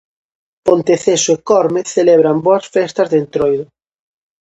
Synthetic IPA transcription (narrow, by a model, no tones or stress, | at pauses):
pont̪eθesoekɔɾmeθelɛβ̞ɾamboɐsfɛst̪ɐzðent̪ɾojðʊ